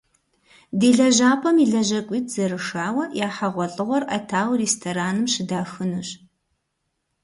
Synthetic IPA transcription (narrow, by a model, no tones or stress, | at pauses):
deːɮɐʑaːpʰɐmiɮɐʑɐkʷʼiːtʰz̥ɐɾɨʂaːwɐjaːħɐʁʷɔɬʼɨʁʷɔrʔɐtʰaːwreːstʰoɾaːnɨmʃɪdaːxɨnuɕ